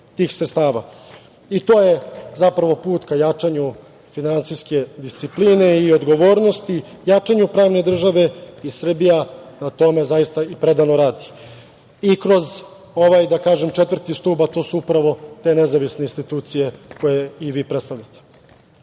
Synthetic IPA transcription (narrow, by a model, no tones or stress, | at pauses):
t̪iːxsɾetst̪aːʋa | it̪oːje̞zapɾaʋo̞puːt̪kajaːt͡ʂaɲu | finant̪sijske̞d̪ist̪sipline̞io̞d̪ɡo̞ʋo̞ːɾnost̪ijaːt͡ʂaɲupɾaːʋne̞d̪r̩ʒaʋe̞isr̩bijanat̪o̞me̞zajist̪aipɾe̞d̪anoɾaːd̪i̥ | ikɾo̞z | o̞ʋajd̪akaːʒemt͡ʃet̪ʋrt̪ist̪uːbat̪o̞ːsuupɾaʋo̞t̪e̞nezaʋisne̞inst̪it̪uːt̪sije̞ko̞jeiʋiːpɾet̪st̪aʋlʎat̪e̥